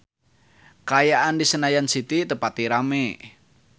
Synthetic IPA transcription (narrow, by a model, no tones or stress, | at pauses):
kajaʔandisənajansit̪it̪əpat̪iɾame